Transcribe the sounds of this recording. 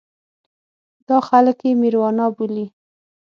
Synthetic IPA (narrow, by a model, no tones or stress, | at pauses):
d̪ɑxaləkjemiɾwɑnɑbuli